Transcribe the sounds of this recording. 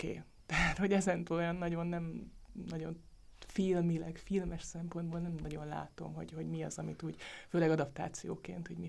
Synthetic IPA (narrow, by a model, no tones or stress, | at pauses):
kḛː | t̪ɛɦat̪ho̞ɟɛzɛnt̪øːlojɒnːɒɟo̞nːɛmnɒɟo̞̰n | filmilɛɡfilmɛʃsɛmpo̞nd̪̚boːlnɛmnɒɟo̞nla̰ːt̪o̞̰mɦo̞̰ɟho̞ɟmiɒzɒmit̪uːɟføːlɛɡɒd̪ɒpt̪a̰ːt̪sijo̰ːkḛːnt̪hoɟmi